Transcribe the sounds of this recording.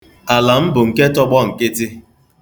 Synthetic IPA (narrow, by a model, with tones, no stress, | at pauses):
a˨la˨m̩˦bʊ˨ŋ̩˨ke˦tɔ˦ɡ͡bɔ˦ŋ̩˨ke˦tɪ˦